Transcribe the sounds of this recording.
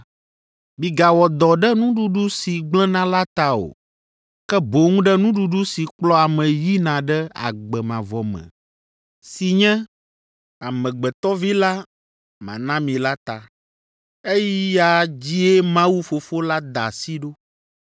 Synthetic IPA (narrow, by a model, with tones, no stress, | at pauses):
mĩ˨ɡa˨wɔ˨d̪ɔ˨ɖɛ˦nũ˦ɖu˨ɖu˦si˨ɡ͡blɛ̃˦nã˦la˦t̪a˨o̰˨ | kɛ˦bo˨ŋũ˦ɖɛ˦nũ˦ɖu˨ɖu˦si˨k͡plɔ˦a˨mɛ̃˨ji˦nã˨ɖɛ˦a̰˨ɡ͡bɛ˨mã˨vɔ˨mɛ̰̃˨ | si˨ɲɛ̃˦ | a˨mɛ̃˨ɡ͡bɛ˨t̪ɔ˦vi˦la˦ | mã̰˨nã˦mĩ˨la˦t̪a˨ | e˦ji˦ja˨d͡ʑi˦e˦mã˦wu˦fo˨fo˦la˦d̪a̰˨si˦ɖo˦